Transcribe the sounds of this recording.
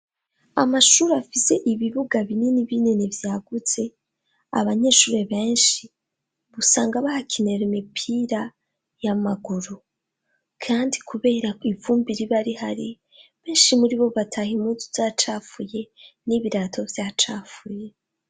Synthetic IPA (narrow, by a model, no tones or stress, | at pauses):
a̰maʃuːɾafise̞ʔiβiβuɡaβineniβinenevjaːɡut͡se̞ | a̰βaɲe̞ːʃuːɾe̞βe̞ːnʃi | βusaːŋɡaβahacʰene̞ɾimipʰiɾa | jamaɡuɾu | kʰaːndikuβe̞ːɾaivuːmbiɾiβaɾihaɾi | βe̞ːnʃimuɾiβo̞βatʰahimuzuz̥aːt͡ʃaːfuje̞niβiɾaːtʰo̞vjaːt͡ʃaːfuje̞